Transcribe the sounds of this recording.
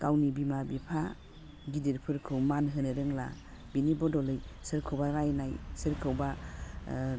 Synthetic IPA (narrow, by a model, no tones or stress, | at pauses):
kawnibimabipʰa | ɡidiɾpʰɯɾkʰɯwmanɦɯnɯɾɯŋla̰ | binibɔdɔlɯjsɯɾkʰɯwbaɾajnajsɯɾkʰɯwba